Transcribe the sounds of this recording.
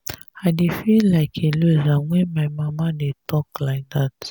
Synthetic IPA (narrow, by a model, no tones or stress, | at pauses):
aɪdefillaɪkʰeluzawɛ̃maɪmamadetʰɔklaɪk̚ðat